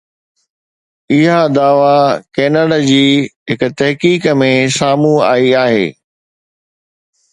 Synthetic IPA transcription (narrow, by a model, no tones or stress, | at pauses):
ɪɦad̪aːʋakeːnəɽad͡ʑiːɦɪkʊ̆t̪ɐɦkiːkmẽsaːmũa̰ːiaːɦḛː